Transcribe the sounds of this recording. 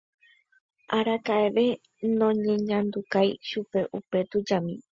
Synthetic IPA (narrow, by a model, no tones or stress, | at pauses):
ʔaɾakaeʋe̞ | nõ̞ɲẽ̞ɲãnd̪ukajʃupe̞ʔupe̞t̪ud͡ʒamĩ